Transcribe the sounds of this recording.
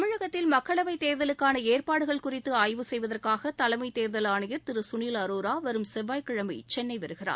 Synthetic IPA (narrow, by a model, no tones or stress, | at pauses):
ɐmɪɻɐɣɐt̪ːɪlmɐkːɐɭɐʋɐɪt̪eːɾðɐlɯkːaːnɐeːrpaːɽɯɣɐɭkʊrɪt̪ːɯaːjʋɯsɛjʋɐðɐrkaːɣɐt̪ɐlɐɪmɐɪt̪eːɾðɐlaːɳɐjɪɾt̪ɪɾɯsʊniːlɐɾuːɾaːʋɐɾɯmsɛʋːaːjkɐɻɐmɐ̰ɪt͡ʃɛnːɐɪʋɐɾɯɣɪra̰ːɾ